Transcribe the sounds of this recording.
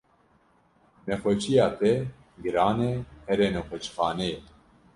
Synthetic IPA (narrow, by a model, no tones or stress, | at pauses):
nɛxʷɛt͡ʃijɑːt̪ɛ | ɡɨɾɑːnehɛɾeːnɛxʷɛt͡ʃxɑːnɛjɛ